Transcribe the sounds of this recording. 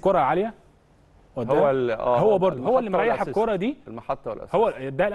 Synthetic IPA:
koɾˤɑʕalejæ | wæd̪hæʔæ̰ːhowːæbɑɾˤd̪ˤoɦowːælːimɾˤɑjaħekːoɾˤɑd̪iːlmɑħɑt̪ˤːɑwḛlʔæ̰howːæd̪ælʔ

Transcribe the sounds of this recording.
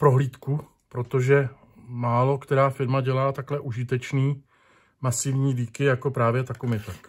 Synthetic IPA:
pɾo̞ɦliːt̪ku | pɾo̞t̪o̞ʒɛ | maːlo̞kt̪ɛɾaːfɪɾmaɟɛlaːt̪aklɛʔuʒɪt̪ɛt͡ʃniː | masɪvɲiːliːkɪjako̞pɾaːvjɛt̪akumɪt̪ak

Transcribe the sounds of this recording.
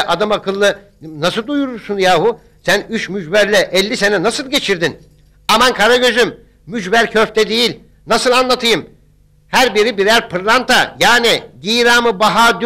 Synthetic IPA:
ʔad̪amakʰɯlˠːɯ | nasɯlˠd̪ujuɾuɾsunjaːhu | sænyt͡ʃmyd͡ʒbæɾlʲɛʔɛlʲːise̞nɛnasɯlˠɟe̞t͡ʃʰiɾd̪in | amankʰaɾaɟøʒymː | yd͡ʒbæɾcʰøft̪ʰɛd̪ejilʲ | nasɯlˠanlˠat̪ʰɯjɯm | hæɾbiɾibiɾæɾpʰɯɾlˠant̪ʰajaːnid̪iːɾaːmɯbaɦaːd̪y

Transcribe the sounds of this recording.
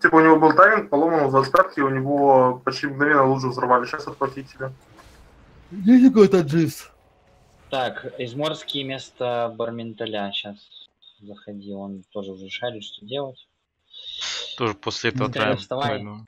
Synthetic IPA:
t̪ʲibəʊnʲɪvo̞bɨlˠt̪amʲɪnpɐlˠomənzɐst̪at̪kʲɪʊnʲɪvopɐt͡ɕtʲiməɡnɐvʲenːəlˠuʂəvzɐɾvalʲɪɕasɐt̪̚pɾɐtʲitʲɪlʲə | jes̬ʲtʲɐkojt̪ad̪ʐɨs | t̪akɪzmo̞rskʲɪjəmʲe̞st̪əbərmʲɪnt̪ɐlʲaɕas | zəxɐdʲilˠont̪oʐɨvzɾʲɪʂalʲɪʂt̪odʲelˠətʲ | t̪oʐɨposʲlʲɪɛt̪əvt̪ʲəst̪ɐval

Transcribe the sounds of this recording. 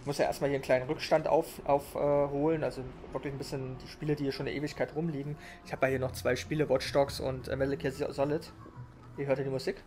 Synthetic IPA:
mʊstjaːʔḛɐstmaliːɐənkl̥aɪnənʁʏkʃtantʔa̰ʊfʔaʊfʔɛːɦoːlənʔalzo | vɪɐklɪçn̩bɪsçənd̥iːʃpiːlədiːhiɐʃoːnɪʔeːvɪçkʰaɪtʁʊmliːɡŋ̩ | ʔɪçhaːbjahiːɐnɔχt͡sv̥aɪʃpiːləvɔt͡ʃtɔksʔʊ̰ntʔɛ̰mɪtl̩kʰiːɐzzɔlɪt | ʔiːɐɦøɐtʰiɐːdiːmʊziːk

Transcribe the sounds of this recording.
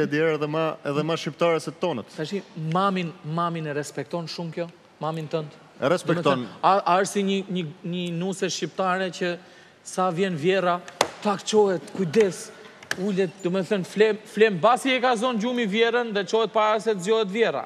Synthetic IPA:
ɛd̪jɛɾɛðɛmaɛðɛmaʃipt̪aɾɛsɛt̪ɔnət̪sɛʃimaminmaminɛɾɛspɛk̚t̪ɔnʃumkjɔ | mamint̪ənt̪ | ɛɾɛsd̪ɛmɛt̪ɔnaaəsiɲəɲəɲənusɛʃcip̚t̪aɾɛcə | savjɛnvjɛɾat̪akt͡ʃɔɦɛt̪kujd̪ɛsulɛt̪̚d̪ɔmɛθənflɛmflɛmbasiɛkazɔnd͡ʑumivjɛɾənðɛt͡ʃɔɦɛt̪̚paɾasɛt̪əzɔɦɛt̪vjɛra̰

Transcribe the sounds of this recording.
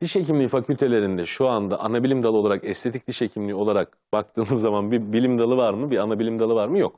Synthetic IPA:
d̪̥iʃe̞cimlʲiːfacʰylʲt̪ʰe̞lʲe̞ɾind̪ɛʃuand̪aʔanabilʲimd̪alˠɯo̞lˠaɾakɛst̪ʰe̞t̪ʰic̚d̪̥iʃecʰimlʲio̞lˠaɾak̚ | b̥ak̚t̪ʰɯːnɯzːamanbibilʲimd̪alˠɯvaɾmɯbianabilʲimd̪alˠɯvaɾmɯjok

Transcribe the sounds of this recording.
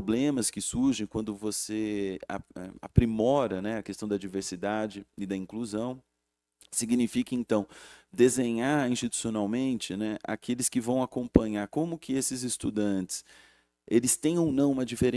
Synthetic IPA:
blẽmɐskɪsuɾʒẽj̃kwɐ̃nd̪ʊvosea̰ɛ̰a̰pɾimɔɾɐnɛɐkest̪ɐ̃w̃d̪ɐd͡ʒiveɾsid̪ad͡ʒɪɪd̪ɐĩŋkluzɐ̃w̃ | siɡinifikɐẽnt̪ɐ̃w̃d̪ezẽɲaɾĩst͡ʃit̪u̥sionawmẽnt͡ʃɪnɛʔa̰kʰelɪskɪvɐ̃w̃akõmpɐ̃ɲaɾkõmʊkɪesɪzɪst̪ud̪ɐ̃t͡ʃɪ̥s | elɪst̪ẽj̃õwnɐ̃w̃ũmɐd͡ʒifeɾẽ

